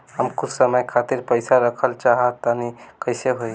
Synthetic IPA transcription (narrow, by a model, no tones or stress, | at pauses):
ɦəmkut͡ʃsəməjkʰat̪iɾpəɪsaɾəkʰəlt͡ʃaɦət̪ːənikəɪseɦoj